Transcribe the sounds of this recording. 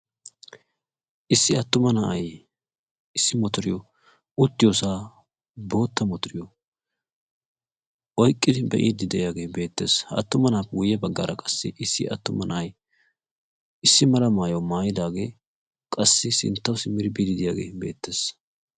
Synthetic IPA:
ʔɪsːɪɐt̪ːʊmɐnɐʔɐj | ɪsːɪmɔt̪ʊɾɪjɔ | ʊt̪ːɪjoːsaː | bo̞ːt̪ːɐmɔt̪ʊɾɪjɔ | wɔjkʼːɪd̪ɪbɛ̰ʔḭːd̪ɪd̪ɛjaːɡe̞ːbe̞ːt̪ːe̞ːsɐ̰t̪ːʊmɐnaːpːɡʊjːɛbɐɡːa̰ːɾɐkʼɐ̥sːɪʔɪsːɪɐ̰t̪ːʊmɐnɐʔɐj | ɪsːɪmɐlɐmaːjɐwmaːjɪd̪aːɡe̞ː | kʼɐsːɪsɪ̰nt̪ːɐwsɪmɪɾbid̪ɪd̪ɪjaːɡe̞̰ːbe̞̰ːt̪ːe̞ːs

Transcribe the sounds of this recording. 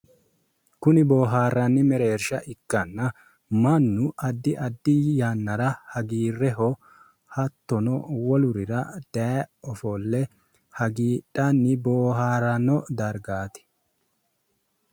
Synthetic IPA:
kʊnɪboːɦaːrɐnːɪmɛɾeːɾʃɐʔɪkːɐnːɐ | mɐnːʊɐd̪ːɪʔɐd̪ːɪjaːnːɐɾɐhɐɡiːrːɛɦɔ | hɐt̪ːɔnɔwɔlʊɾɪɾɐd̪̥ɐɔfɔlːɛ | hɐɡiːᶑɐnːɪboːɦaːɾɐnɔd̪ɐɾɡaːt̪ɪ̥

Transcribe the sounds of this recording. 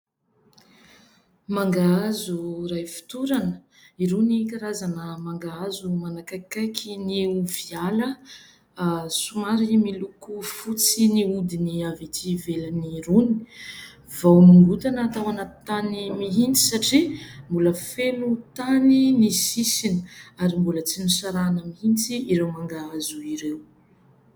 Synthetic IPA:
maŋɡaazurajfi̥t̪uɾanə | iɾunikaɾazanəmaŋɡaazumanakakajkʰiniuvialə | sumaɾimilukufut͡siniud̪iniavit̪ʰivelaniruni̥ | vawnuŋɡut̪anəːt̪awanat̪animiɦint͡si̥saʈ͡ʂimbuləfenut̪aninisisinəaɾimbulət͡sinusaɾanəmihint͡siiɾewmaŋɡaazuiɾew

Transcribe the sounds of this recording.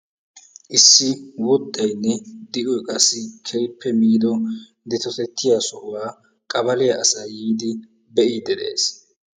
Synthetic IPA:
ʔɪsːɪwɔd̪ːɐjnːɛd̪ɪʔɔjkʼɐsɪkʰɛjpʰːɛmiːd̪ɔ | d̪ɛt̪ɔt̪ɛt̪ːɪjaːsɔʔʊwaː | kʼɐbɐlɛjɐʔɐsɐːjiːd̪ɪ | bɛʔiːd̪ɛd̪ḛːs

